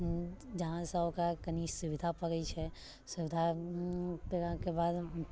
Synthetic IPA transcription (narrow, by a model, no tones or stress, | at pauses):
d͡ʒɐɦãsɐokakɐniːʃsʊʋɪd̪ʱapɐɡəit͡ʃʰɛ | sʊʋɪd̪ʱa | peɾãkebaːd̪